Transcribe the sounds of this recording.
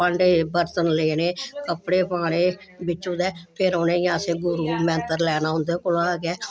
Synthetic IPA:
pəɳɖeːbəɾt̪ənleːɽeːkəpɽeːpãːɽeː | bɪt͡ʃːũːd̪ɛːpʰɪɾoːnẽːjãːseːɡʊɾuːmɛ̃ːnt̪əɾlɛːɽaːɦʊ̃nd̪eːkʊlaːɡɛː

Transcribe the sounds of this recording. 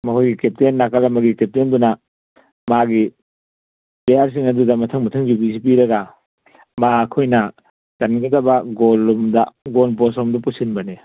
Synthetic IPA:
mɐkʰojɡikep̚tenːakalɐmɐɡikep̚tendunɐ | maɡi | pejaɾs̬iŋɐdudɐmɐtʰɐŋmɐtʰɐŋd͡ʒubisipiɾɐɡɐ | maɐkʰojnɐ | tɐnɡɐdɐbɐɡolːomdɐɡolp̬osɔmdɐpusinbɐne

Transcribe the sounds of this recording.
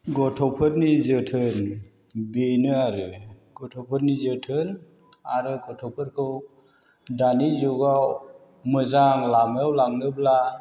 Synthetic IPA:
ɡɔtʰɔpʰɯɾnizɯtʰɯn | binɯaɾɯ | ɡ̥ɔtʰɔpʰɯɾnizɯtʰɯn | aɾɯkʰɔtʰɔpʰɯɾkʰɯw | danizɔɡaw | mɯzaŋlamewlaŋnɯbla

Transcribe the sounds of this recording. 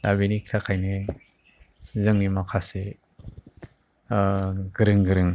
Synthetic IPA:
labinikʰtʰakʰajne | zɯŋnimakʰase | ɡɯɾɯŋɡɯɾɯŋ

